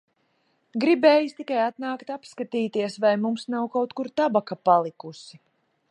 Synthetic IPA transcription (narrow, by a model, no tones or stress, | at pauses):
ɡɾibeːjust̪ikajat̪naːkt̪apskat̪iːt̪iɛsvajmumsnawkawt̪kuɾt̪abakapalˠikusi